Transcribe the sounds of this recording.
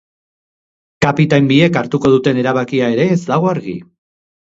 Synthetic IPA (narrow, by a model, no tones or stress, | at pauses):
kapit̪ajmbie̞kaɾt̪uko̞ð̞ut̪e̞ne̞ɾaβ̞akiae̞ɾe̞ːzd̪aɣ̞o̞aɾɣḭ